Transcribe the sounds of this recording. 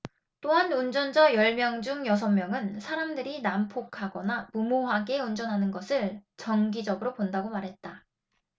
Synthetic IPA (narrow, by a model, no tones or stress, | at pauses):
t͈oɦanund͡ʑʌnd͡ʑʌjʌɭmjʌŋd͡ʑuŋjʌs̬ʰʌmːjʌŋɯnsʰaɾamdɯɾinampʰokʰaɡʌnamumoɦaɡe̞und͡ʑʌnɦanɯnɡʌsʰɯɭt͡ɕʌŋɡid͡ʑʌɡɯɾopondaɡomaɾɦe̞t̚t͈a